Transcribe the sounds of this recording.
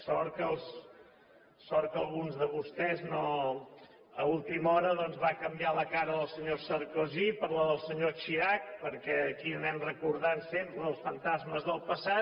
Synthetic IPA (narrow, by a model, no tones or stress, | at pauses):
sɔɾkəlˠs | sɔɾkəlˠɣunzðəβust̪ɛzno | əulˠt̪imɔɾəðɔnzβakəmbjaləkaɾəðəlˠsəɲosəɾkuzipəɾləðəlˠsəɲot͡ʃiak̚pəɾkɛəkiənɛmrəkuɾðansempɾəəlˠsfənt̪azməzðəlˠpəsat̪̚